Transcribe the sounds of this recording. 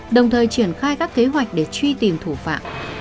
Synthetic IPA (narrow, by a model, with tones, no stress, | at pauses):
ɗə˨˩wŋ͡mt̪ʰəː˨˩jt͡ɕi˧˩ənxaː˧jkaː˦˥kːe˨˦ɦwa˨˩jk̟̚ɗe˧˩t͡ɕwi˧t̪i˨˩mt̪ʰu˧˩fa̰ː˧˨m